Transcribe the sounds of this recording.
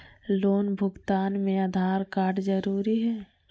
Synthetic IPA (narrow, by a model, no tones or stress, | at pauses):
loːnbʱʊɡt̪aːnmẽad̪ʱaːɾkaːɾɖzəɾuːɾiɦɛː